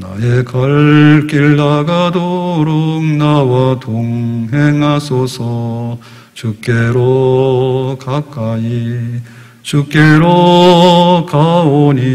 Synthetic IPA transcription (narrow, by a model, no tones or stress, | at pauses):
naekʌɭk͈iɭːaɡadoɾoŋnawatoŋɦeŋɦasʰosʰʌ | t͡ɕuk̚k͈eɾo | kak͈ai | t͡ɕuk̚k͈eɾo | kaoɲi